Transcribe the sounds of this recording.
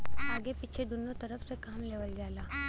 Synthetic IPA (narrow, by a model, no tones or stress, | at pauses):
aːɡepɪt͡ʃʰed̪ʊnõt̪ɐɾəfʰsekaːmleːʋəld͡ʒaːlaː